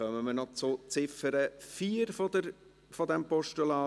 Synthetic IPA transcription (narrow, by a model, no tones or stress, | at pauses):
œməmənɔt͡sʊt͡sɪfəɾəfiːəɾfodə | fod̪ɛmpɔʃtulɑː